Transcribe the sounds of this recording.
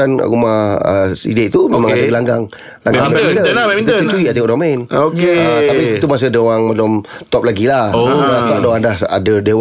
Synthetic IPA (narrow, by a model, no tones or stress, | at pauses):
an̰ɣumaə̰sḭdeʔ̚t̪umẽmãŋaɡdaəlaŋɡaŋ | laŋɡaaid̪əaut͡ʃuiʔat̪ikɔʔdomɛnokeat̪apiit̪umas̬ədewaŋmalɔmt̪ɔp̚laɡilahmat̪ɔʔ̚daadaha̰dədew